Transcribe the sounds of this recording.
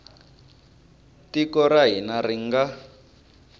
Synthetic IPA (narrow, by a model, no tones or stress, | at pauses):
tikɔɾaɦinariŋɡa